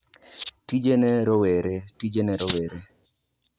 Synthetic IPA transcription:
tid͡ʒeneɾɔweɾetid͡ʒeneɾɔweɾe

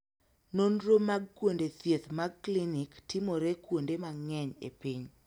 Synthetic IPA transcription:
nonɾomaɡ̚kwondet̪jet̪maɡ̚kliniktɪmoɾekwondemaŋɛɲḛpiɲ

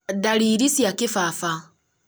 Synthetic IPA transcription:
daliɾisjakifafa

